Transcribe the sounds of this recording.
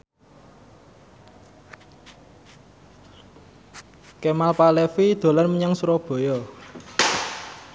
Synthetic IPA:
kemalpalefid̪̥o̤lanməɲaŋsuɾɔb̥o̤jɔ

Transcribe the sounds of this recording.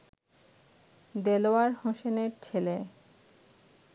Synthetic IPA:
d̪eloaɾhoʃeneɾt͡ɕʰele

